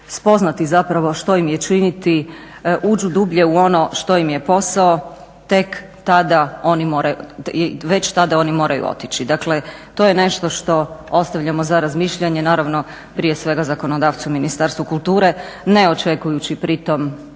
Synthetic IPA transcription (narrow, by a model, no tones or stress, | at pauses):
spo̞znat̪izapɾaʋo̞ʃt̪o̞imjet͡ʃinit̪iʔuːd͡ʒud̪uːbʎe̞uo̞no̞ʃt̪o̞imje̞po̞sao | t̪e̞k | t̪ad̪ao̞nimo̞ːɾajuʋe̞t͡ɕt̪ad̪ao̞ːnimo̞ːɾʔajṵo̰t̪it͡ɕid̪akle̞t̪o̞jene̞ʃt̪o̞ʃt̪o̞o̞st̪aʋʎʲamo̞zaɾazmiːʃʎaɲe̞naːɾaʋno̞ | pɾije̞sʋe̞ɡazako̞no̞d̪aːʋt̪suminist̪aɾst̪ʋukulˠt̪uːɾe̞ | ne̞o̞t͡ʃe̞kujut͡ɕipɾit̪o̞m